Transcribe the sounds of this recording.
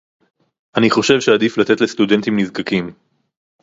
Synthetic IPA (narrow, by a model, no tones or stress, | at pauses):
ʔaniχo̞ʃe̞vʃead̪iflat̪et̪le̞st̪ud̪e̞nt̪imnizkakim